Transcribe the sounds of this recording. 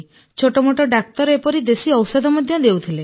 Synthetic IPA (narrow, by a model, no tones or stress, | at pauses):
t͡ʃʰoʈɔmoʈɔɖak̚t̪ɔɾepɔɾid̪esiɔwsɔd̪ʱɔmad̪ʱjɔd̪ewt̪ʰile